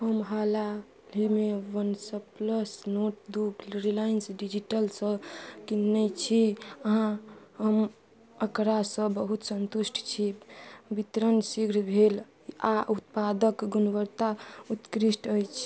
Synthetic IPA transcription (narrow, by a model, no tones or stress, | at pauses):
həmɦala | limewənsəpləsnoʈd̪ukɾilajinsɖid͡ʒiʈəlsə̃kinːət͡ʃʰiəɦãɦəm | əkɾasə̃bəɦut̪sənt̪usʈʰt͡ʃʰibit̪ɾənsiɡʱɾbʱel | aʔut̪̚pad̪əkɡunʋəɾt̪aut̪kɾisʈʰəjt͡ʃʰ